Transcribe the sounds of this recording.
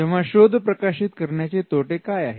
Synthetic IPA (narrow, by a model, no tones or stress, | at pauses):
ɛʋʋ̤aɕod̪ʱːəpɾəkaɕit̪kəɾɳjat͡set̪oʈekajaɦe